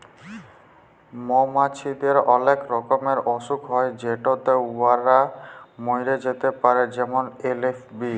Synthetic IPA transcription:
momat͡ɕʰid̪eɾɔlekɾɔkomeɾɔʃukɦɔed͡ʑeʈot̪euaɾamojɾed͡ʑet̪epaɾed͡ʑɛmonelefʰbi

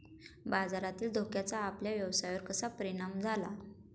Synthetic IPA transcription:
bad͡zaɾat̪iːld̪ʱokjat͡saːpljaʋjəʋsajʋəɾkəsapəɾiɽ̃amd͡zʱala

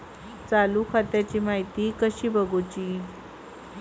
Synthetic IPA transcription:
t͡salukʰat̪jat͡ɕiːmaɦit̪iːkəɕiːbəɡot͡ɕiː

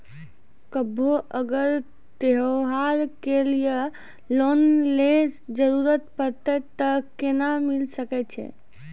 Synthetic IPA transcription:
kəbʱoʔəɡəɾ | t̪eɦoɦaɾkelijə | lonled͡ʒəɾuɾət̪pəɾt̪ət̪əkenamilsəkɛt͡ʃʰɛ̰

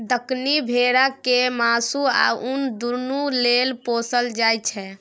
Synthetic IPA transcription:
d̪əknibʱeɾakemasua̰und̪uɾnulelposəld͡ʒajt͡ʃʰɛ

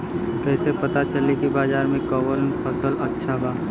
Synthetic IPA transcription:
kɛːsepɐt̪at͡ʃəlikibaːzaːɾmẽkɔːʋəɾnpʰɐsəlɐtːʃʰabaː

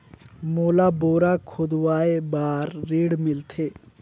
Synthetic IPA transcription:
moːlaboːɾakʰʊd̪waːebaːɾːiːɽmɪlt̪ʰeː

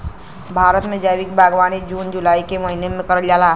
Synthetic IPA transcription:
bʱaːɾət̪mẽd͡ʒəjʋikbʱaɡʋaːnid͡ʒuːnd͡ʒulaːikeməɦinemẽkəɾəld͡ʒala

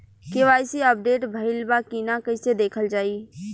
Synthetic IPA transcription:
keʋaːɪsiəp̚ɖeːʈbʱəɪlbakinakəɪsed̪eːkʰəld͡ʒaːiː

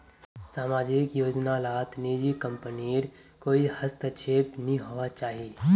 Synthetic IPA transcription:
saːmaːd͡ʒɪkjoːd͡ʒnalaːt̪niːd͡ʒikə̃mpəniɾ | koːihəst̪ʰət͡ʃʰeːpnĩɦoːʋat͡ʃaːɦieː

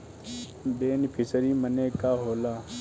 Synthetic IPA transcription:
beːnpʰɪsəɾiːməneːkaːɦoːlaː

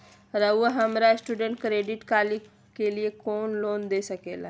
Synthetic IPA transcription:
ɾəuəɦɐmɾasʈuːɖə̃ɳʈkɾeːɖɪʈkaːli | keliekoːnloːnd̪esɐkeːla

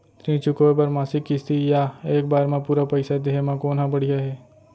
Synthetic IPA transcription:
t̪ɾĩːt͡ʃʊkoep̬ɐɾmaːsɪkːɪst̪ijaeːk̚baːɾmãpuːɾapɐɪsad̪eɦemãkoːnɦãbɐɽ̤ijaɦɛː

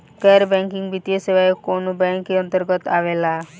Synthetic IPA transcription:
kɛɾbɛŋkiŋbit̪ijesewajekonobɛŋkeɔnt̪ɔɾɡɔt̪aʋela

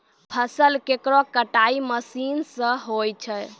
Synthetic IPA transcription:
pʰəsəlkekɾɔkəʈaiməsinsə̃ɦojt͡ʃʰɛ

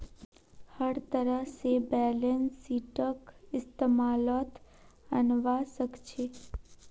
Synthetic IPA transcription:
həɾt̪əɾəɦsebɛːlensːiːʈəkɪst̪eːmaːlɔt̪ənʋasəkt͡ʃʰe

